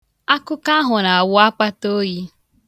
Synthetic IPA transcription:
a˦ku˦ka˦ɦʊ˨na˨wa˦k͡pa˦to˦ji˦

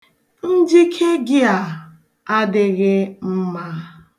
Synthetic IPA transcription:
n̩˦d͡ʒi˦kʰe˦ɡɪ˦a˨ | a˦dɪ˦ɣɪ˦m̩˦ma˦

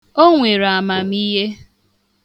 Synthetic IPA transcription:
o˦ŋʷe˨ɾa˨ma˨m̩i˦ɦe˦

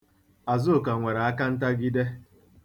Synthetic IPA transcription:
a˨zʊ˦o˨ka˨ŋʷe˨ɾa˨a˦ka˦n̩˦ta˦ɡɪ˦de˦

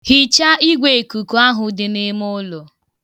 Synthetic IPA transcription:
hi˨t͡ʃa˦ʔi˦ɡʷe˨ku˨ku˨a˦ɦʊ˨dɪ˨nɪ˦m˦o˦lo˨

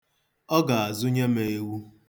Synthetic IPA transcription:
ɔ˦ɡa˨a˨zʊ˦ɲe˦me˨e˦wu˦

